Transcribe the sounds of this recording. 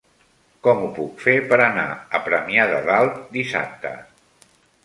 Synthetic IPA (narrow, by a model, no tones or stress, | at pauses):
kɔmupukfepəɾəna̰əpɾəmiaðə̰ðalˠt̪̚d̪isa̰p̚t̪ə̰